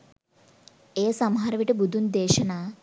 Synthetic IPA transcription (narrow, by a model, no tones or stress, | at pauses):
eːsɐmɦaːɾɐʋiʈubud̪ʱund̪eːʃɐna